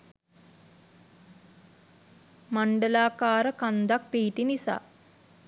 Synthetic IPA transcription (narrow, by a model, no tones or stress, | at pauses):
maɳɖəlaːkaːɾəkand̪ak̚piɦiʈinisa̰ː